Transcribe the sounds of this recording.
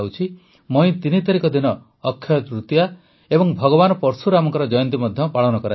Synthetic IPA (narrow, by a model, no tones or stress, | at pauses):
awt͡ʃʰi | moj̃t̪init̪aɾikɔd̪inɔː | kʰːjɔt̪ɾut̪ija | ebɔŋbʱɔɡɔβanɔpɔɾsuɾamɔŋkɔɾɔd͡ʒɔjɔnt̪imɔd̪ʱjɔpaɭɔnɔkɔɾa